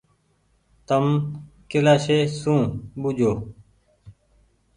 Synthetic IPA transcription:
t̪əmkɪlaːʃeːsũːɓʊd͡ʒʱoː

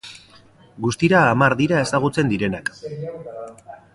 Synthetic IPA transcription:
ɡust̪iɾaːmaɾðiɾae̞saɣ̞ut͡se̞nd̪iɾe̞nak

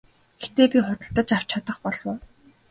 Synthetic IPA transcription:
ɡet̪eːpʲiχʊt̪ə̆ɬt̪ə̆t͡ɕar̥w̥t͡ɕʰat̪ə̆χpɔɮwʊː

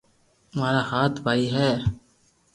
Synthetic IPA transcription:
maːɾaːhaːt̪ʰbʱaːiːɦɛː

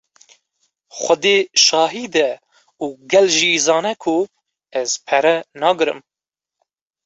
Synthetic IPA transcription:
xʷɐd̪eːʃɑːɦiːd̪ɛ | uːɡɛlʒizɑːnɛkʰʊ | ɛz̥pʰɛɾɛnɑːɡɨɾɨ̰m

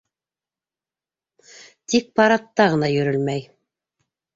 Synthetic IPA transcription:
t̪ik̚pɑɾɑt̪ːɑʁɤ̆nɑjɵ̆ɾɵlmæj

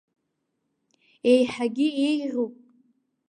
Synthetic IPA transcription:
ejħaɡʲiejrʲupʼ

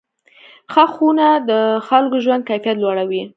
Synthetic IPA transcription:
xəxunad̪əxalkoʒwand̪̚kafjat̪lwɑɽawi

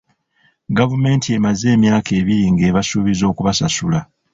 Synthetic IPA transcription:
ɡavume̞ːntie̞maze̞ːmjaːke̞ːβiɾiŋɡe̞ːβasuβizo̞ːkuβasasula

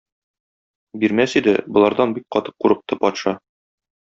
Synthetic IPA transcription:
biɾmæsid̪ɘbŏlˠɑɾd̪ɑnbik̚qɒt̪ɤ̥q̚ːuɾɤ̆q̚t̪ɤpɒt̪ʃɑ

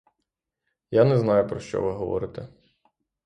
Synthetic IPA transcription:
janɛznɑjʊpɾɔʃt͡ʃɔ̰ʋɪɦɔʋɔ̰ɾɪt̪ɛ

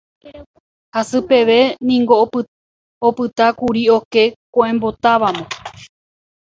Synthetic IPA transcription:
hasɨpe̞ʋe̞nĩŋɡo̞ | opɨt̪akuɾio̞ke̞kõʔẽ̞mbo̞t̪aʋamõ

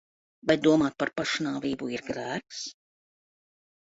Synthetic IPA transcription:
bajd̪uɔmaːt̪̚paɾpaʃnaːviːbuiɾɡɾæːks

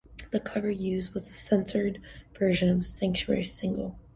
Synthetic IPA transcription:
ðɨkʰʌvə˞jʉz̚wʌzɨsɛ̃nsə˞dvɜ˞ʒɨ̃nʌvsæ̃ŋk̚t͡ʃʉɛ̰ɹisɪ̃ŋɡl̩ˠ

